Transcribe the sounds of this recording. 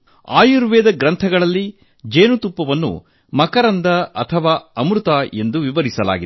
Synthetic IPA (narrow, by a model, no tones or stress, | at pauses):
a̰ːjuɾʋɛːd̪ɐɡɾɐnt̪ʰɐɡɐɭɐlːi | d͡ʒeːnut̪upːɐʋɐnːṵ | mɐkɐɾɐnd̪ɐɐt̪ʰɐʋaːɐmɾut̪ae̞nd̪uʋiʋɐɾisɐla̰ːɡid̪